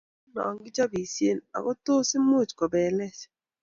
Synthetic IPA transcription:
nɔ̰˨ɔ˨ŋɡɪ˦d͡ʒɔ˦bi˨sje˦˨na̰˨kɔ˦toː˦sɪ˦mo˦˨t͡ʃkɔ˨bɛ˨lɛ˦t͡ʃ

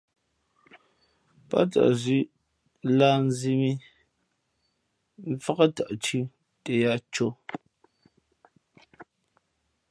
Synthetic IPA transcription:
pa̰˦ta̰˨ʔzi˦ | laː˦n̩˦zi˦mi˦ | m̩˦fa˦ɣa˦ta˨ʔt͡ʃi˦ | te˨ja˦t͡ʃo˦

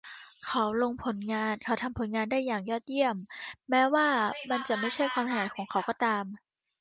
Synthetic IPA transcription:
kʰa˨˦wlo˧ŋpʰo˨˩˦nŋaː˧nkʰa˨˦wt̪ʰa˧mpʰo˩˦nŋaː˧ndaː˥˩jːaː˨˩ŋjɔː˥˩t̪̚ji˥˩əmːɛː˦˥waː˥˩ma˧nt͡ɕa˨˩ma˥˩jt͡ɕʰa˥˩jkʰwaː˧mt̪ʰa˧naː˨˦jkʰɔː˩˦ŋkʰa˩˦wkɔː˧˩t̪aː˧m

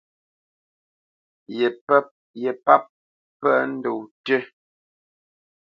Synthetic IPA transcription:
jɛ˨pp̚ | jɛ˨pa˦p̚ | pɛ˦n̩˦do˨wte˦

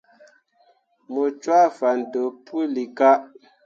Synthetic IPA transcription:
mo˨t͡ʃwa˦fa˨n̩˨do˨pʰu˦li˨ka˦ʔ

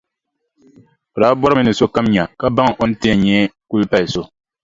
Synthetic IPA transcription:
ɾaː˨˦bɔ˦ɾɨ˦mɨ˦nɨ˨so˦ka˦mɲa˨ka˦ba˦ŋ˨ʔo˦n̩˦tɪ˦˨ɲɛː˦ku˦lpa˦lso˦

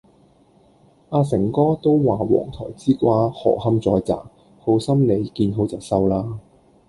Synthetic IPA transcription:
ʔaː˧sɪ˨˩ŋkɔː˥t̪o˥wːaː˨˩wɔ̰ː˨˩ŋt̪ʰɔ̰ː˨˩jt͡siː˥kʷaː˥hɔ̰ː˨˩hɐ˥mt͡sɔː˨˧jt͡sa̰ː˨˩ | ho˨˧˥wsɐ˥mne˨˧jkiː˧nɦo˨˧wt͡sɐ˨˩wsɐ˥wlaː˥

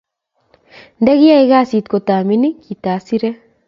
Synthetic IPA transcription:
ndɛ˦ɣi˦a˦eɣa˦si˨tko˨taː˨mi˦ni˦kita˨si˦ɾɛ˦

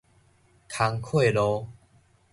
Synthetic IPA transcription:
kʰa˧ŋkʰwe˥˧˨lɔ˧

